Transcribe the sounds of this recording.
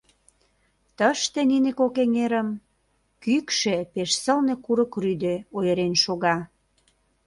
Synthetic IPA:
t̪əʃt̪ĕninekokeŋeɾəm | kykʃepeʃsə̆lnekuɾəkryd̪eojə̆ɾenʃoɣɑ

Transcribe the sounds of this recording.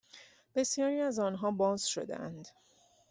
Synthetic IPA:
b̥e̞sjɒːɾiːæzɒːnɦɒːbɒːzʃo̞̰d̪ḛʔæ̰nd̪

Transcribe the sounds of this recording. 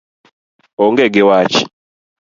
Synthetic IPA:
ɔŋɡɛɡɪwat͡ʃi̥

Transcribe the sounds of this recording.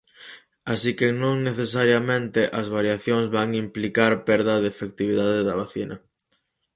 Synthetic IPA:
asikenõŋneθesaɾjɐmẽnt̪ɪʔɐzβaɾjaθjoŋzβaŋimplikaɾpɛɾðɐðefek̚t̪iβ̞iðaðeðɐβaθinɐ

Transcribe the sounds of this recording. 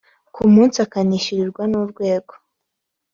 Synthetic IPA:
kʰumuːnsiakaniʃiɾiɾɡwanuɾɡwe̞ːɡ̥o

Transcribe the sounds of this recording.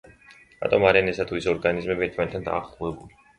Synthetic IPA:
ɾa̰t̪ʼɔmaɾianɛsat̪ʰuisɔɾɡanizmɛbiɛɾt̪ʰmanɛt̪ʰːand̪a̰ːχluɛbuli

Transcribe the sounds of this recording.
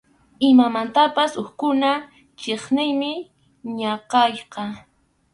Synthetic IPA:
ɪmamant̪apasʊxkʊna | t͡ʃeχnɪjmɪ | ɲɑqɑjqɑ

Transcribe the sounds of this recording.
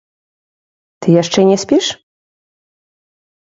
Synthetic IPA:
t̪ɨjaʂt͡ʂɛnʲɛsʲpʲiʂ

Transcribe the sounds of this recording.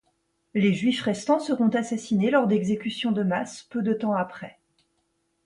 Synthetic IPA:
leʒɥifʁɛst̪ɑ̃səʁɔ̃t̪asasinelɔʁd̪ɛɡzekʲysjɔ̃d̪əmaspød̪ət̪ɑ̃apχɛ

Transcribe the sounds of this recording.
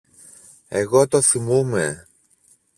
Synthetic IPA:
eɣo̞t̪o̞θimume

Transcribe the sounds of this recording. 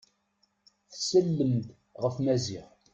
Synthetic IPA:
θsəlːəmt̪ | ʁəfmæziʁ

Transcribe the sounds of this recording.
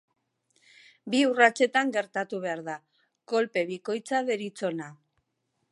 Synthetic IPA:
biurat͡se̞t̪aŋɡe̞ɾt̪at̪uβ̞e̞aɾða | ko̞lpe̞β̞iko̞jt͡saðeɾit͡so̞na

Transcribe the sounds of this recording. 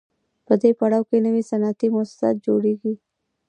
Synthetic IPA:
pəd̪epɐɽawkenɐʋisɐnaːt̪imoːssa̰ːt̪̚d͡ʒoːɽiːɡiː

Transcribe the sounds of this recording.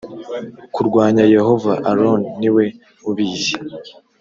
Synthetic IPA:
kuɾɡwaːɲaje̞ɦo̞vaʔaɾonːiwe̞ | uβiːzi

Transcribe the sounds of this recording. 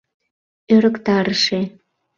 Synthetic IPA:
øɾə̆kt̪ɑɾəʃe

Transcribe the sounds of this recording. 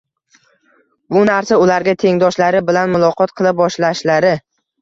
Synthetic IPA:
bʊnaɾsaʊlaɾɡʲat̪ʰe̞ŋd̪ɒʃlaɾɪbɪlanmʊlˠɒqʰɒt̪̚qʰɨlˠɪp̚bɒʃlaʃlaɾɪ

